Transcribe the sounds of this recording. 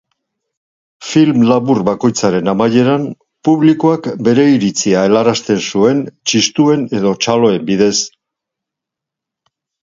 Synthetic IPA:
filmlaβurbako̞jt͡saɾe̞namaje̞ɾam | puβlikoakbe̞ɾe̞iɾit͡siae̞laɾast̪e̞nsue̞nt͡ʃist̪ue̞ne̞ðo̞t͡ʃalo̞e̞mbiðe̞s

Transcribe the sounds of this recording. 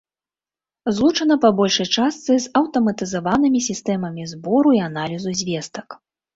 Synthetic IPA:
zlˠut͡ʂɐnɐpɐbɔlʲʂɐjt͡ʂast̪sɨzɐwt̪ɐmɐt̪ɨzavanɨmʲisʲist̪ɛmɐmʲizbɔɾuian̪alʲizuzʲvʲɛst̪ɐk

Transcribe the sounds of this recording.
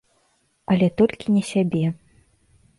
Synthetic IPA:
ɐlʲɛt̪ɔlʲkʲinʲɛsʲabʲɛ

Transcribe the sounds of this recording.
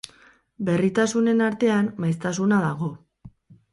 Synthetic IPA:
be̞rit̪asune̞naɾt̪e̞anːajs̬t̪asunaðaɣ̞o̞

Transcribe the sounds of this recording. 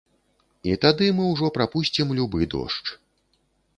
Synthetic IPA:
it̪ad̪ɨmɨwʐɔpɾapusʲt͡sʲimlʲubɨd̪ɔ̰ʂt͡ʂ

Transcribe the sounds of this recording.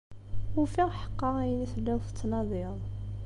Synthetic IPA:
ufiʁħə̥qːɑʁæjəniθəlːæwθə̥t͡sːnɑðˤɪðˤ

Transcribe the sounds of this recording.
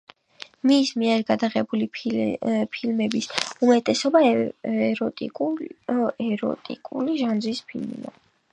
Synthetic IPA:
mismiɛɾɡad̪aʁɛbuli | pʰilmɛbisumɛt̪ʼɛsɔba | ɾʼ | ɛɾɔ̰t̪ʼḭkʼuliʒand͡ʒɾispʰilmḭd̪a̰

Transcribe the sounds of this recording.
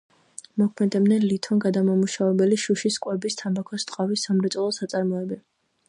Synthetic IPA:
mɔkʰmɛd̪ɛbnɛnlit̪ʰɔnɡad̪amamuʃavɛbɛliʃuʃiskʼwɛbist̪ʰambakʰɔst̪ʼqʼavisːamɾɛt̪ʼɔlˠɔsat̪sʼaɾmɔɛbɛ

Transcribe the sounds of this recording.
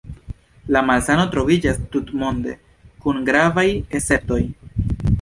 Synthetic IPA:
lamalsano̞tɾo̞vid͡ʒastutmo̞nde̞̰ | kunɡɾavaje̞se̞p̚to̞j

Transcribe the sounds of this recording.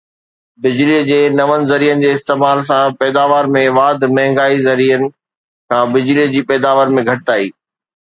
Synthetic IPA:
bɪd͡ʑliːəd͡ʑeːnɐʋənɪ̆zɐɾiːənɪ̆d͡ʑeːɪst̪eːmaːls̬ãpɛːd̪aːʋaːɾmẽʋaːd̪ʱmɐɦɪ̃ŋɡaːizɐɾiːjənɪ̆ | kʰãːbɪd͡ʑliːd͡ʑiːpɛːd̪aːʋəɾmẽɡʱɐʈɪt̪aːiː

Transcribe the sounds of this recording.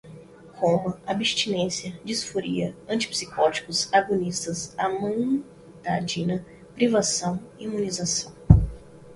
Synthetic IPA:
kʰõmuabist͡ʃinẽsjɐd͡ʒisfoɾiɐɐ̃t͡ʃi̥psikɔt͡ʃi̥kʊzaɡonist̪ɐsamɐ̃j̃ | d̪ad͡ʒĩnɐ | pɾivasɐ̃w̃iimũnizasɐ̃w̃

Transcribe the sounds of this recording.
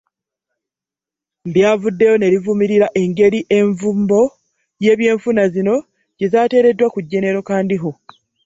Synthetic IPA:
bjaːvudːe̞jo̞ne̞ɾivumiɾiɾaʔe̞ŋɡe̞ɾiʔe̞ɱvumbo̞ | je̞ːβje̞ːɱfunazino̞ | ɟ̥e̞zaːte̞ːɾe̞dːwakuɟːe̞ne̞ɾo̞kaːndiɦo̞

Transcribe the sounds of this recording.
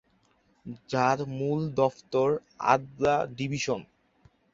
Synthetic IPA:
d͡ʑaɾmuld̪ɔft̪oɾa̰d̪aɖibʱiʃon

